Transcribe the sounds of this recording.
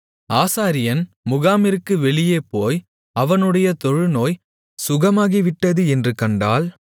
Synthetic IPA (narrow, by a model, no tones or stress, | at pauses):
aːsaːɾɪjɐn | mʊɣaːmɪɾkːɯʋɛɭɪjeːpoːj | ɐʋɐnɯɽɐjɐt̪ɔɻɯnoːj | sʊɣɐmaːɣiʋɪʈːɐðɯɛndrɯkɐɳɖa̰ːl